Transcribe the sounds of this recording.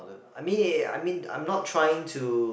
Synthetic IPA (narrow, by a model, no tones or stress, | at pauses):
dəaɪmĩna̰ɪmĩnã̰ɪ̃mnɔtʰɹ̥ajɪ̃ŋtʰu